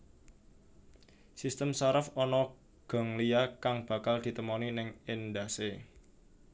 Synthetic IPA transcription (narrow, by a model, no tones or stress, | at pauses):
sist̪əmsaɾəfɔnɔ | ɡ̥ɔ̤ŋlijakaŋb̥a̤kald̪̥i̤t̪əmoninɪŋɪnd̪a̤se